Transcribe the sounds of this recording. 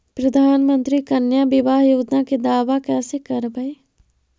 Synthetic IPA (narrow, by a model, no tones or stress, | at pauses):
pɾɐd̪ʱaːnmə̃nt̪ɾikənjabɪʋaːɦjoːd͡ʒ̪naked̪aːʋakɛːsekɐɾbəe